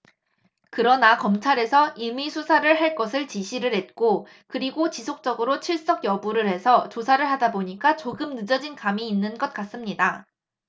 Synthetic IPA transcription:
kɯɾʌnakʌmt͡ɕʰaɾe̞sʰʌʔimisʰusʰaɾɯɭɦaɭk͈ʌsʰɯɭt͡ɕiɕʰiɾɯɭhe̞t̚k͈o | kɯɾiɡot͡ɕisʰok̚t͡ɕ͈ʌɡɯɾot͡ɕʰiɭs͈ʌɡjʌbuɾɯɭɦe̞sʰʌt͡ɕosʰaɾɯɭɦadaboɲik͈at͡ɕoɡɯmnɯd͡ʑʌd͡ʑinkamiːnːɯnɡʌt̚k͈as͈ɯmɲida

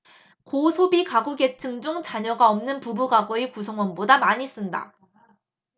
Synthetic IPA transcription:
kosʰobikaɡuɡe̞t͡ɕʰɯŋd͡ʑuŋt͡ɕaɲʌɡaʌmnɯnpubuɡaɡoikusʰʌŋwʌnbodamaɲis͈ɯnda̰

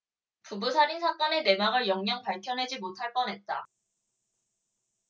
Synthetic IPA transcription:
pubusʰaɾinsʰak͈ʌne̞ne̞maɡɯɭjʌŋɲʌŋpaɭkʰjʌnɦe̞d͡ʑimotʰaɭp͈ʌnɦe̞t̚t͈a

